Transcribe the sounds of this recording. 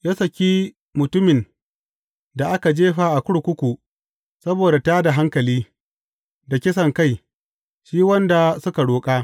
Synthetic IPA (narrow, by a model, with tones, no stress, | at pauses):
ja˦sɐ˨kʲiː˦ | mʊ˨tʊ˦mɪ˨n | da˨ʔa˦ka˨d͡ʒeː˦ɸa˦ʔa˨kʷʊ˦ɽkʷʊ˦kʷu˨ | sɐ˦boː˨da˨taː˦da˨ɦa˦ŋkɐ˨liː˦ | da˨kʲɪ˦s̬ɐ˨ŋka˦˨j | ʃiː˦wɐ˦nda˨sʊ˦ka˨ɽoː˨kʼaː˦